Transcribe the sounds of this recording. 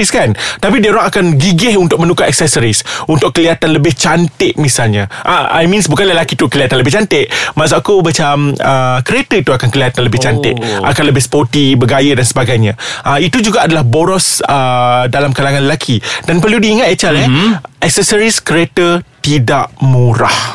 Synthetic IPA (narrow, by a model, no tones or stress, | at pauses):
iskant̪apideɾaŋakanɡiɡɪɦunt̪ʊk̚mə̃nukaʔɛk̚sɛsəɾisunt̪ʊk̚kːəliat̪anləbɪht͡ʃant̪ɪʔmisalɲaʔaa̰jmĩnsbukanləlakit̪ukəliat̪anləbɪht͡ʃant̪ɪʔmas̬aʔkubat͡ʃaməkəɾet̪əit̪uakankəliat̪anləbɪht͡ʃant̪ɪ̰ʔʔa̰kanləbɪhsə̥pot̪ibəɡajədansəbaɡajɲaʔait̪ud͡ʒuɡaʔadalahboɾɔsədalamkalaŋanləlakʰidanpərludiːŋat̪ɛt͡ʃalɛʔɛk̚səsəɾiskəɾet̪ət̪idaʔmuɾa̰h